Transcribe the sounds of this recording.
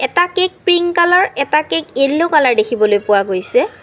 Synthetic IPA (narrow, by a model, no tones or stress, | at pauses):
ɛtakek̚pɹiŋkalaɹɛtakekelːokalaɹdekʰibɔlojpʊwaɡojsɛ